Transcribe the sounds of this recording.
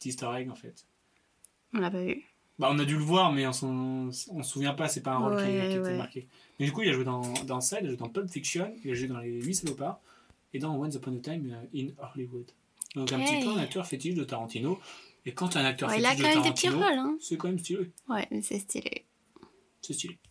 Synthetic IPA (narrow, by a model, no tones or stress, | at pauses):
pt̪ist̪ɔʁɛɡɑ̃fɛt̪ | ɔ̃lapavy̰ | baɔ̃nad̪yləvwaʁmɛɔ̃sɑ̃sɔ̃səsuvjɛ̃pasɛpaɛ̃ʁɔɛɛɛmaʁkʲe | mɛd̪ykuilaʒuwed̪ɑ̃d̪ɑ̃sailaʒued̪ɑ̃pœbfikʃjɔnilaʒued̪ɑ̃leɥisɛlopaʁ | ed̪ɑ̃wanzapwɛ̃nd̪ət̪ajmøinɔʁliwud̪ | d̪ɔ̃kɛ̃pt̪ipø̃nakt̪œʁfet̪iʒd̪ət̪aʁɑ̃t̪inoekɑ̃t̪yɛ̃nak̚t̪œʁfielaiʒd̪ə̃mtɛamʁd̪ẽt̪inovɔlɛ̃sɛkɑ̃mɛms̬t̪ilewɛmɛsɛst̪ʰḭlḛ | sɛst̪ile